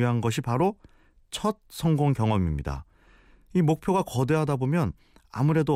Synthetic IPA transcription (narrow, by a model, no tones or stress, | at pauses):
iɦanɡʌɕʰipaɾo | t͡ɕʰʌt̚sʰʌŋɡoŋkjʌŋʌmimɲida̰ | imok̚pʰjoɡakʌde̞ɦadabomjʌn | a̰muɾe̞do